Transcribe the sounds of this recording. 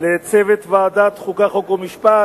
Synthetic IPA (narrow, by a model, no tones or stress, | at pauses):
let͡sevet̪vead̪at̪χukaχokomiʃpa